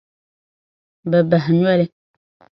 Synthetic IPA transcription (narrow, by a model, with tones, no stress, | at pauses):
bɛ˨ba˨ɦɲ˦ɛ˦lɪ˦